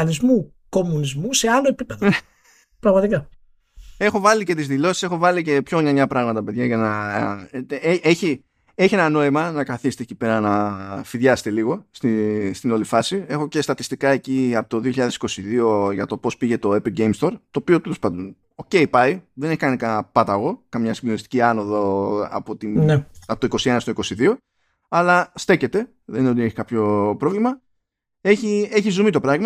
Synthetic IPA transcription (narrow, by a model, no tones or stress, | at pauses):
nizmu | ko̞munizmuse̞ɐloepipe̞ðoe | pɾɐɣmɐt̪ikɐ | e̞xo̞vɐlice̞t̪izðilo̞si̥se̞xo̞vɐlice̞pço̞ɲɐɲɐpɾɐɣmɐt̪ɐpe̞ðʝɐʝɐnɐ | eʔeçi | e̞çie̞nɐno̞imɐnɐkɐθist̪eecipe̞ɾɐnɐfiðʝɐse̥t̪e̞liɣo̞st̪ist̪ino̞lifɐsie̞xo̞ce̞st̪ɐt̪ist̪ikɐe̞ciɐpot̪o̞ðioçiʎɐðe̞si̥ko̞siðio̞ʝɐt̪o̞po̞spiʝe̞t̪o̞epilɡejmst̪o̞ɾt̪o̞ːpio̞t̪elospɐnd̪on | o̞ceipɐiðene̞çikɐnikɐpɐt̪ɐɣo̞kɐmɲɐsimbðo̞nist̪iciɐno̞ðoɐ̰po̞t̪ineɐpot̪oiko̞sie̞nɐst̪oiko̞siðio̞ | ɐlɐst̪e̞ce̞t̪e̞ | ðenineot̪ieçi̥kɐpço̞pɾo̞vlimɐ | e̞çie̞çizumit̪o̞pɾɐɣmɐ